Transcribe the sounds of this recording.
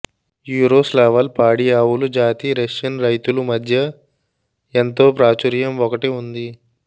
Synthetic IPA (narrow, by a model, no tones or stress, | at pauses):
juːɾoːslaːʋɐlpaːɽijaːwulud͡ʒaːt̪iɾeʂɐnɾɐjt̪ulumɐd̪ʱjɐ | ent̪o̞ːpɾaːt͡ʃuɾjɐmʋɔkɐʈiund̪i